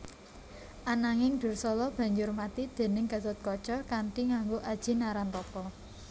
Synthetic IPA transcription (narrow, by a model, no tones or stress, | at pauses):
ʔanaŋɪŋɖ̪̥ʊ̤rsɔlɔb̥ä̤ɲd͡ʒʊrmat̪id̪̥e̤nɪŋɡ̥a̤t̪ʊt̪̚kɔt͡ʃɔkaɳɖiŋaŋɡoʔad̥ʒ̥i̤naɾant̪ɔkɔ